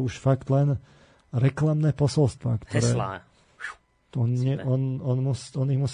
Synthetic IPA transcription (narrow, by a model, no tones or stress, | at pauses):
uʃfakt̪lɛn | ɾɛklamnɛːpɔsɔlst̪ʋa̰kt̪ɔɾɛ̰ː | ɔnɲɛʔɔnɔnmusɔniɣmus